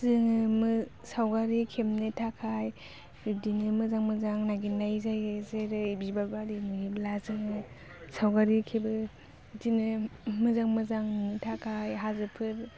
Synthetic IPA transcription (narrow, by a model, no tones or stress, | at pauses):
zɯŋɯmɯ | sawɡaɾikʰemnɯtʰakʰaj | udiŋɯmɯzaŋmɯzaŋnaɡinajzajɯzeɾɯibibabaɾimɯɡiblazɯŋɯ | sawɡaɾikʰebɯ | dinɯmɯzaŋmɯzaŋnɯtʰakʰajɦazɯpʰɯɾ